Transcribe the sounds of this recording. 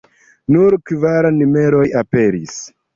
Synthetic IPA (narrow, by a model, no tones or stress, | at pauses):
nuɾkvaɾanime̞ɾo̞jape̞ɾis